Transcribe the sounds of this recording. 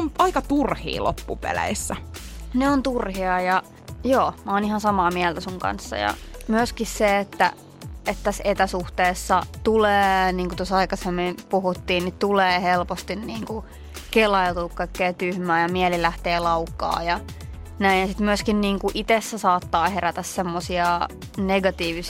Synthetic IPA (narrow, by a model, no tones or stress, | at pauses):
onɑikɑt̪urhḭːlo̰pːupḛlæ̰isːæneont̪urhiɑjɑ | joːmæoːnihɑnsɑmɑːmiɛlt̪æsuŋkɑ̰nsːɑ̰jɑ̰myøskisseet̪ːæ̰ | et̪t̪æset̪æsuht̪eːsːɑt̪uleːniːŋkut̪osɑikɑsemːimpuhut̪ːiːnnit̪uleːhelpost̪inniːŋku | kelɑjlt̪uːkkɑikːeːt̪yhmæːjɑmiɛlilæht̪eːlɑukːɑ̰ːjɑ | næinjɑsit̪myøskinniːŋkuʔit̪esːæsɑːt̪ːɑːheɾæt̪æssemːosiɑ | neɡɑt̪iːʋis